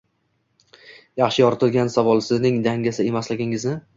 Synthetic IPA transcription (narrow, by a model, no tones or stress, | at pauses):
jɑχʃɪjɒɾt̪ʰlɡʲansavɒlˠsɪnɪŋd̪aŋɡʲasɪe̞maslɪɡʲɪŋɪznɪ